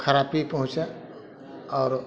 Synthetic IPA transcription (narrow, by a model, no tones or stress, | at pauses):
kʰɐɾaːpipɐɦʊ̃t͡ʃa | ɔːɾ